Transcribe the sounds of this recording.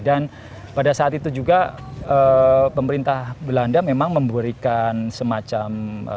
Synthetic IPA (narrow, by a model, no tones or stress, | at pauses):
dan | padasaːt̪it̪ud͡ʒuɡa | əpəməɾint̪ahbəlandamemaŋməmbuɾikansəmat͡ʃamə̰